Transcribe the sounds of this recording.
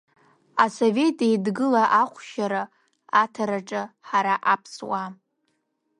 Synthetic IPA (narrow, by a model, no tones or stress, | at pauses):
asove̞tʼejdɡɨlaʔaχʷʃaɾa | atʰaɾaʈ͡ʂʼɨħaɾaʔapʰswa